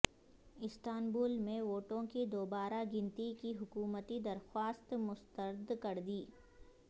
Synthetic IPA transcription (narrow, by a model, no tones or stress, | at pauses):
ɪst̪aːnbuːlmẽʋoːʈõkid̪oːbaːɾaɡɪ̃nt̪ikiɦʊkuːmət̪id̪ɐɾxwaːst̪mʊst̪əɾd̪kɐɾd̪iː